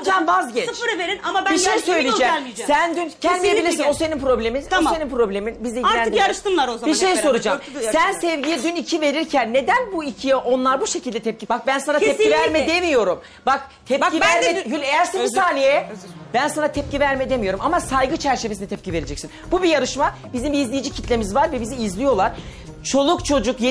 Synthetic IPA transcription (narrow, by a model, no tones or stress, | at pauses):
d͡ʒambazɟɛsfɾɯveɾinamabiejsøjlʲid͡ʒɛlid͡ʒsænd̪yncʰɛnd̪imijebilʲiɾsinoseninpɾo̞blʲe̞minoseninpɾo̞blʲe̞minbizd̪ɛjiɾnænɯijaɾɯʃt̪ɯnlˠaɾozabiɾʃejso̞ɾud͡ʒasænsɛvɟijɛd̪ynicʰive̞ɾiɾcʰænːe̞d̪ænbuicʰijɛʔo̞nlˠaɾbuʃe̞cʰilʲd̪ɛt̪ʰɛp̚cibak̚bænsanat̪ʰɛp̚ivæɾmɛd̪emijo̞ɾum | bak | t̪ʰɛpiæɾmɛhylʲejæɾseimssaːnijɛbænsanat̪ʰɛp̚civæɾmɛd̪emijo̞ɾumamasajɡɯt͡ʃʰæɾt͡ʃʰe̞vesinit̪ʰɛp̚cʰive̞ɾed͡ʒɛcsinbubijaɾɯʃma | bizimbiːzlʲijid͡ʒicʰi̥t̪lʲe̞mizvaɾvɛbiziizlʲijo̞lˠaɾ̥ | t͡ʃʰo̞lˠukt͡ʃʰo̞d͡ʒukje